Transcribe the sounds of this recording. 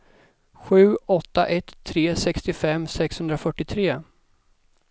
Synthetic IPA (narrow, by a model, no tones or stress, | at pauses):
ɧʉ̟ːɔt̪ːaʔɛt̪ʰːɾeːsɛkst̪ɪfɛmːsɛkshɵnd̪ɾafœʈːɪt̪ʰɾeː